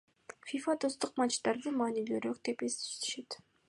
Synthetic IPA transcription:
fʲifat̪ost̪uq̚mat͡ʃt̪ɑɾd̪ɯmɑːnilyyɾøk̚t̪epesy̥ʃt̪e̥ʃet̪

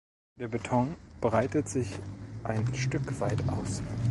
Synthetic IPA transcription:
d̥eːɐbetʰɔŋb̥ʁaɪtətz̥ɪçʔaɪnʃtʏkv̥aɪtʔa̰ʊs

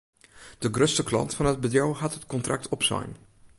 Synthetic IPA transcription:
d̥əɡrøstəklɑ̰ntfɑnɦəd̚bədrɔwɦɑtɦətkɔntrʔɑk̚tʰɔpsa̰jn

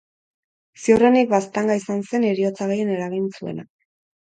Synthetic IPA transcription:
siorenik̚bast̪aŋɡaisanse̞neɾio̞t͡saɣeje̞ne̞ɾaɣ̞int͡sue̞̰na

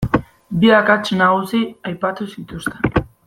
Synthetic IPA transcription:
biakat͡ʃnaɣusiajpat̪usit̪ust̪en

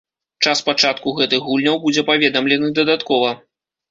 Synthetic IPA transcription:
t͡ʂaspat͡ʂat̪kuɣɛt̪ɨxːulʲnʲɐwbud͡zʲɛpavʲɛd̪ɐmlʲɛnɨd̪ɐd̪at̪kɔvɐ

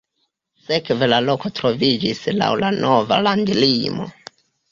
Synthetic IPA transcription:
se̞kve̞lalo̞ko̞tɾo̞vid͡ʒisla̰wlanʔo̞va̰landlimo̞̰

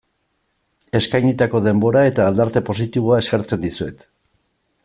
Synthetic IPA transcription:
e̞skajɲit̪ako̞ðe̞mbo̞ɾae̞t̪aːld̪aɾt̪e̞po̞sit̪iβoae̞skeɾt͡se̞nd̪isue̞t̪

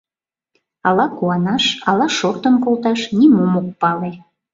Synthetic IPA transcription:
ɑlɑkuɑnɑʃɑlɑʃort̪ənkolt̪ɑʃnimomok̚pɑle

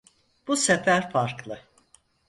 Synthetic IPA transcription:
b̥usefæɾfaɾklˠɯ

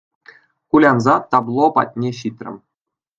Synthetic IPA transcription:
kulʲɑnzɑt̪ɑblˠopɑ̰tʲnʲeɕit̪ʲrʲɘ̰̆m

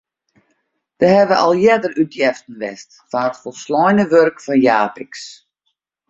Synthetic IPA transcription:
d̥əhɛʋəʔɔ̰lˠjɛdərytjɛftən̩ʋɛst | faətfɔlˠslɔjnəʋørkfɔnjaːpɪks

